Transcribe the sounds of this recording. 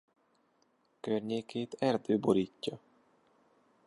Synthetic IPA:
kørɲeːkʰeːt̪ɛrd̪øːbo̞ɾiːcːɒ

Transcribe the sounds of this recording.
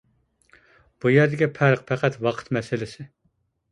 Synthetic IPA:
b̥ujæɾd̪ɪɡʲɛpʰæɾqpʰɛqʰæt̪wɑqʰə̥t̪mɛsɪlɪsɪ

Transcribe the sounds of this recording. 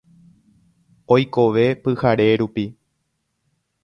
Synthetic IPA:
ojko̞ʋe̞pɨhaɾe̞ɾupi

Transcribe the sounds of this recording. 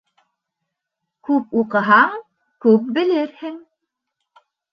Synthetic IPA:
kʉpuqɤ̆ɦɑɴ | kʉp̚bɘ̆lɘɾhɘŋ

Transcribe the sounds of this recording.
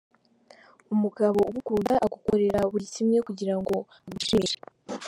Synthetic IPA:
umuɡaβo̞uβukuːmbaʔaɡukoɾe̞ɾauβuɾicimɲe̞kuɟiɾaŋɡo̞ | aɡuʃeːʃḁ

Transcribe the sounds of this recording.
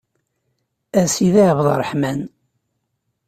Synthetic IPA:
æsiðaʕvðˤə̰rˤəħmæn

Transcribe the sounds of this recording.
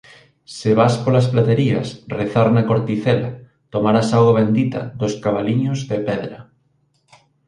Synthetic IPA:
sɪβaspolɐsplat̪eɾiɐ̰sreθaɾnɐkoɾt̪iθɛlɐ | t̪omaɾasawɣaβ̞end̪it̪ɐ̰ðʊskaβaliɲʊzðepɛðɾɐ

